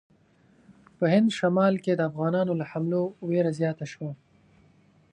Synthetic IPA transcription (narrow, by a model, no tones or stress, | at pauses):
pəɦɪnd̪ʃamɑːlked̪əafɣɑːnɑːnolaħamloweɾazjɑːt̪aʃwa